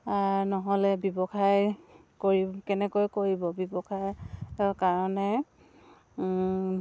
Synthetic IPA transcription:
aɹnɔɦɔlɛbibɔkʰaj | koɹikɛnɛkojkoɹibɔbibɔkʰajɔkaɹɔnɛ

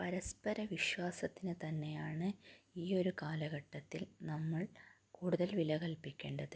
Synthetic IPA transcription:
pɐɾɐspɐɾɐʋiɕʋaːsɐt̪ːinɨt̪ɐnːe̞jaːɳɨiːo̞ɾukaːlɐɣɐʈːɐt̪ːilnɐmːɐɭ | kuːɽuðɐlʋilɐɣɐlpikʲːe̞ːɳɖɐðɨ

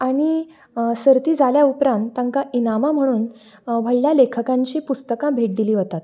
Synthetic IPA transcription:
aɽ̃i | səɾt̪iːd͡zaljaupɾãnt̪ːaŋkaʔinamam̤əɽ̃uːn | ʋʱəɭljalekʰəkãɲt͡ɕiːpust̪əkãbʱeʈ̚d̪iliːʋot̪at̪

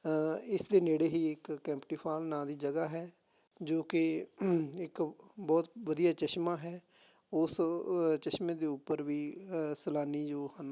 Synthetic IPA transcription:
ɪsd̪eːneːɽeːɦiːɪkːɛ̃ːmpʈiːpʰaːlnãːd̪iːd͡ʒəɡaːɦɛː | d͡ʒoːke | ɪkbɔːt̪ʋəd̪ijaːt͡ʃəʃmãːɦɛː | ʊst͡ʃəʃmẽːd̪eːʊpːəɾʋiːsəlaːniːd͡ʒoːhən

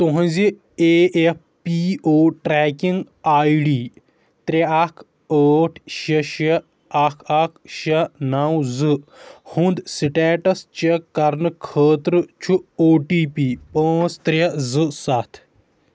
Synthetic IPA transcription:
t̪uɦɐ̃zi | eːef | pioːʈɾɛːkiŋɡ | aːjɖiː | t̪ɾʲɐakʰ | əːʈʰʃɐʃɐ | akʰakʰʃɐnawzɨhund̪siʈɛːʈɐst͡ʃɐkɐɾnɨkʰəːt̪ɾɨt͡ʃʰuoːʈiːpiːpə̃ːst̪ɾʲɐzɨsat̪ʰ

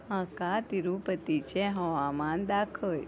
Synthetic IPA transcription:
ɦãkat̪iɾupət̪it͡ʃʰeɦəʋamand̪akʰəl

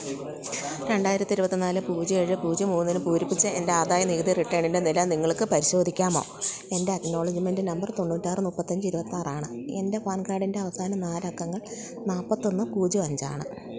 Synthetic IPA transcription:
ɾe̞ɳɖaːjiɾɐt̪ːiɾubɐt̪ːinaːlɨpuːd͡ʑie̞ːɻɨpuːd͡ʑimuːnːilupuːɾipːit͡ɕːɨendeaːd̪aːjɐniɣɐd̪iriʈːeːɳinde̞nilɐniŋːɐɭkɨpɐɾiɕo̞ːd̪ʱikʲːaːmo̞ːe̞nde̞ɐkno̞ːɭɐd͡ʑimendɨnɐmbɐrt̪o̞ɳːuːtːaːjrɨnupːɐt̪ːɐɲd͡ʑɨiɾubɐt̪ːaːraːɳɨe̞̰nde̞faːnkaːɖinde̞ɐʋɐsaːnɐnaːlɐkːɐŋːɐɭ | naːpːɐt̪ːonːɨpuːd͡ʑiʋɐɲd͡ʑa̰ːɳɨ

